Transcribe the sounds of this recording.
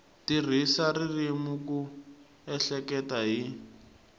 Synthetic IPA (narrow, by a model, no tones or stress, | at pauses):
tir̤isaririmuku | ɛɬɛkɛtaɦi